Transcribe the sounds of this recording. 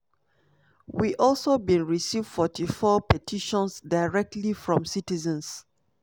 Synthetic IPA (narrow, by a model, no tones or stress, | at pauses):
wiʔɔlˠsobĩnɹisivdfɔtʰifɔpɛtʰiʃɔ̃nsdaɪɹɛk̚tlifɹɔ̃msitizə̃ns